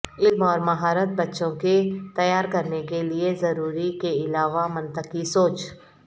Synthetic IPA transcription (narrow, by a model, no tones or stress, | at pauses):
ɪlmɔːɾmɐɦaːɾət̪̚bɐtːʃõket̪ɐjaːɾkɐɾnekeliezɐɾuːɾikeɪlaːʋamɐ̃nt̪əkisoːt͡ʃ